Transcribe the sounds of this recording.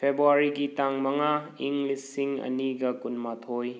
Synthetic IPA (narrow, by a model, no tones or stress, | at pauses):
pʰebuaɾiɡitaŋmɐŋaiŋɡlisːiŋɐ̰niɡɐkunmatʰoj